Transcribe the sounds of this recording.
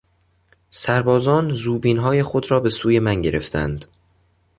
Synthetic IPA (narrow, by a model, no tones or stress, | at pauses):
sæɾbɒːzɒːnzuːbiːnɦɒːje̞xo̞d̪ɾɒːbe̞suːje̞mænɟe̞̰ɾe̞̰ft̪ʰæ̰nd̪